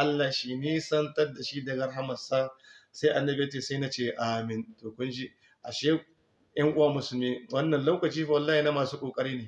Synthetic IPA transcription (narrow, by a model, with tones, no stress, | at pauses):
ʔa˦lːaː˨ʃiː˨niː˦sɐ˦ntɐ˦rda˨ʃi˦dɐ˨ɡɐ˦rɦa˦mɐ˨saː˦sa˦ʔa˨nːɐ˦be˦te˨sa˦jna˦t͡ʃeː˦˨ʔaː˨mɪ˨ntoː˨kʷʊ˦nʃi˦ | ʔa˨ʃeː˦ | jɐ˦ŋʔʊ˦waː˦mʊ˨sʊ˨lmiː˦wɐ˦nːɐ˨nlɐ˦wkɐ˨t͡ʃiː˦wɐ˨lːaː˦hi˨na˦maː˨suː˦kʷʼoː˨kʼɐ˦ɽiː˦neː˨